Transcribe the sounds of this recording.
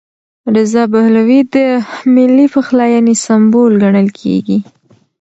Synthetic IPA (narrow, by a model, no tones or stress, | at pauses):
ɾɪzɑbahlawid̪əmɪlːipəxlɑjɑnisambolɡaɳəlkʰḛɡi